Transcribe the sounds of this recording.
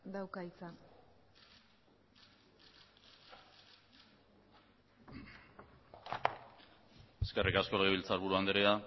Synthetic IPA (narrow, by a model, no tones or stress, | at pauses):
d̪awkait͡sa | eske̞rikasko̞leɣ̞eβilt͡saɾβuɾuand̪eɾea